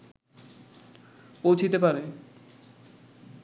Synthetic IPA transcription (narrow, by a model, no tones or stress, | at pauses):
powt͡ɕʰit̪epaɾe